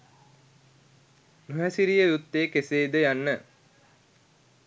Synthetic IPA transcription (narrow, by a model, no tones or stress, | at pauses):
nuɦæsiɾijəjut̪ːeːkeseːd̪əjanːə